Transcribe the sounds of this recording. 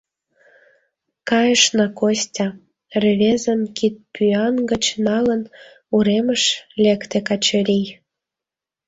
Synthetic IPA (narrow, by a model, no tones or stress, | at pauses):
kɑjəʃnɑkosʲtʲɑ | rʲeβʲezə̆nkit̪̚pyɑnɡə̆t͡ɕnɑlə̆n | uɾemə̆ʃlʲekt̪ekɑt͡ɕəɾʲij